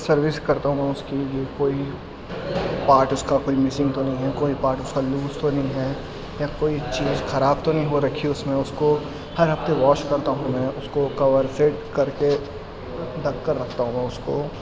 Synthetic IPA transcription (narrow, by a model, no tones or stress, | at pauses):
sɐɾʋɪskɐɾt̪aɦũmɛ̃ʊskijekoːi | paːɾʈʊskakoːimɪsɪ̃ŋɡ̚t̪onɐɦĩɦɛkoːipaːɾʈʊskaluːst̪onɐɦĩɦɛ | jakoːit͡ʃiːzxɐɾaːb̚t̪onɐɦĩɦoɾɐkʰiʊsmẽʊsko | hɐɾɦɐft̪eʋɔːʃkɐɾt̪aɦũmɛ̃ːʊskokɐʋəɾseʈkɐɾke | d̪ɐkːəɾːɐkʰt̪aɦũmɛ̃ːʊsko